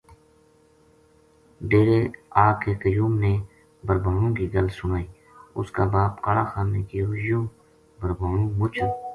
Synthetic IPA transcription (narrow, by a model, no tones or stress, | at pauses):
ɖeːɾeːaːkeːkəjuːmneː | bəɾbʱaːɽõːkiɡəlsʊnaːiː | ʊ̰skaːbaːpkəɽaːxaːneːkiːɾʊd͡ʒjõː | bəɾbʱaːɽõːmʊt͡ʃʰə